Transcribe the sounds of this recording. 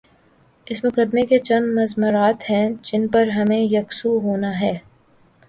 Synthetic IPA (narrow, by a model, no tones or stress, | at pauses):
ɪsmʊkəd̪meket͡ʃɐ̃nd̪mɐzmʊɾaːt̪ɦɛ̃d͡ʒɪnpɐɾɦɐmẽjɐksuɦoːnaɦɛː